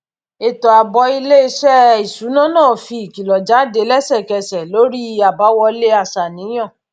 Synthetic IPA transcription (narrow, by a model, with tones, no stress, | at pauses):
e˨tɔ˨a˨bɔ˧i˧le˦ʃɛ˦i˨su˨˦nã˦˨nã˦˨fi˧i˨ki˨lɔ˨d͡ʒa˨˦de˨˦lɛ˦sɛ˦˨kɛ˧sɛ˨lo˨˦ɾi˦a˨ba˨˦wɔ˧le˦a˦˨sa˨nĩ˨˦j̃ɔ̃˦˨